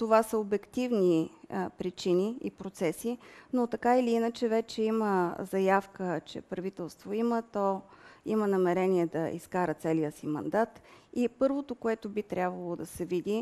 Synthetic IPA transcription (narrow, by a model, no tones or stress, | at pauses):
t̪ovasəobɛkt̪ivnipɾit͡ʃiniḭpɾot̪sɛsinot̪ɐkailiinət͡ʃɛvɛt͡ʃɛiməzɐjafkət͡ʃɛ̰pɾɐvit̪ɛlˠst̪voimət̪ɔimənɐmɛɾɛniɛd̪ɐḭskaɾət̪sɛlijəsimɐ̰nd̪at̪ipɤɾvot̪okoɛt̪obit̪ɾʲabvəlˠod̪ɐsɛvid̪i